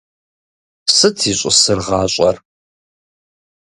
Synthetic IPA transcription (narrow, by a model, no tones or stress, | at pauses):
sɨtʰiːɕʼʊsɨrʁɑːɕʼɐr